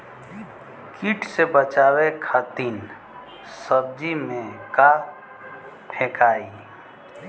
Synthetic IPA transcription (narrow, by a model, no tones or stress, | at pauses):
kiʈʰsebət͡ʃaːwekʰat̪iːn | səb̚d͡ʒimẽka | ʈʰekaːi